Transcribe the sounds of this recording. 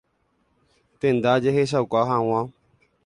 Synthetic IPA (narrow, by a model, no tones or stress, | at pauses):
t̪end̪aːd͡ʒeɦeʃ̬aukaːɦãːwãː